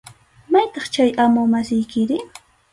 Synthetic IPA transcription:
majt̪ɑχt͡ʃajʔamʊmasɪjkɪɾɪ

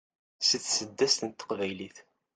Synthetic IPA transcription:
siθsəd̪ːæst̪ənt̪ːə̥qvæjliθ

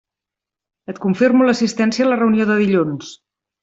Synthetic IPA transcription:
ət̪kuɱfirmuləsist̪ɛnsiəːlərəunioðəðiʎuns

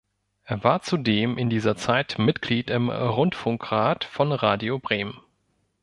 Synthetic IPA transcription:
ʔeːɐvaːɐt͡sudeːmɪndiːzɐt͡saɪtmɪtɡ̥liːtɪmʁʊntfʊŋkʁ̥aːtfɔnʁaːdiobʁeːmən

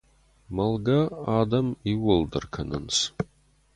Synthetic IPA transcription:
mɐlɡɐaːdɐmiwʊldɨ̰rkʰɐnɨ̰ns

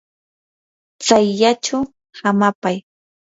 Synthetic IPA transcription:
t͡sajʎat͡ʃʊ | hamapaj

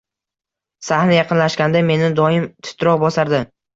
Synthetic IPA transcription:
sahnɪjɑqɨnlaʃkʲand̪ame̞nɪd̪ɒɪmt̪ʰʊ̥t̪ʰɾɒqbɒsaɾd̪ɪ

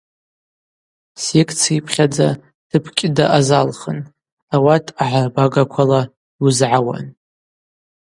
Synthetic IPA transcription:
sekʰʼt͡sʰipʰχʲad͡za | tʰɨpʰkʲʼɪdaʔazalχən | awatʰaʕabaɡakʷʰala | uzʕawa̰n

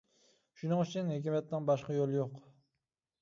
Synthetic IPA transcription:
ʃʊnɪŋʊt͡ʃʰɪnhekʲimat̪ːanbɒʃqɑjolˠjoq

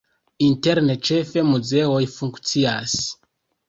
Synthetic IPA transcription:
inteɾnet͡ʃefe̞muzeojfuŋkt͡sias

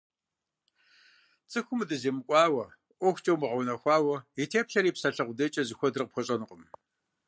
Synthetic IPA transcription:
t͡sʼɨxʷʊmɨdɨzeːmɨkʷʼɑːwɐ | ʔʷɔxʷt͡ʃʼɐwmɨʁɐwnɐxʷɑːwɐitʰeːpɬɐɾiːpsɐɬɐqʷʊdɐt͡ʃʼɐzɨxʷɔdɨrqpxʷɔɕʼɐnɨqʼəm

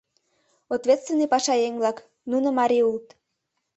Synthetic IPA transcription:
ot̪vʲet̪st̪vʲenːijpɑʃɑjeŋʲvlɑk | nunə̆mɑɾʲiult̪

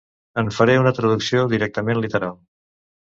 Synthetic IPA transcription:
əɱfəɾeunət̪ɾəðuksioðiɾɛk̚t̪əmenlit̪əɾalˠ

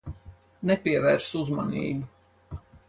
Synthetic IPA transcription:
nɛpʲiɛvɛːɾsuzma̰nḭːbu

